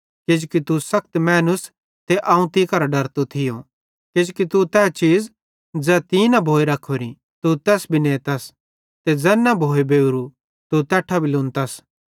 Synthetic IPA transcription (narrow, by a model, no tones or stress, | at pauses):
kɪd͡ʒokit̪usɐk̚t̪mɛːnʊs | t̪eʔãːũt̪ikɐɾaɖɐɾt̪ot̪ʰɪjõ | kɪd͡ʒokit̪ut̪ɛːt͡ʃiːd͡z | d͡zɛːt̪inɐbʱoːeɾɐkʰːoɾḭ̃ | t̪ut̪ɛːsbʱinẽːt̪ɐs | t̪ed͡zɛːnːɐbʱoːebeːɾu | t̪ut̪ɛːʈʰːabʱilʊ̃ːnt̪ɐs